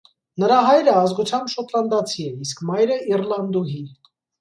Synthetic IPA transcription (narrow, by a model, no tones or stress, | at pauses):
nəɾɑɦɑjɾəɑzɡut͡sʰjɑmbʃɔt̪ʰlɑnd̪ɑt͡sʰiɛiskmɑjɾəirlɑnd̪uɦi